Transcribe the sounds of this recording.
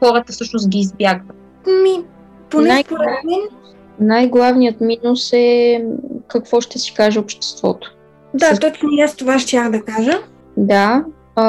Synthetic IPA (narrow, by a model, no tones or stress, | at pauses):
xɔɾət̪əfsɤʃnos̬ɡʲiːzbjaɡə | mi | ponɛjpoɾɛnɛ | najɡlˠavnijət̪minusɛ | kɐkvɔʃt̪ɛsi̥kaʒɛopʃt̪ɛ̥st̪v̥ɔ̰t̪o̥ | d̪at̪ɔt͡ʃnujast̪ovaʃt̪ʲjaxd̪ɐkaʒə | d̪a